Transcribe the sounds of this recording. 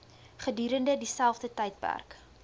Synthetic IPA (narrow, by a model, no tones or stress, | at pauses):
χədyːɾəndədisælˠfdətəjt̚pæ̰rk